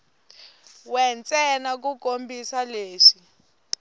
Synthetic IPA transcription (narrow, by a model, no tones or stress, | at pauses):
wɛnt͡sʼɛnak̬ukombisaleːʂi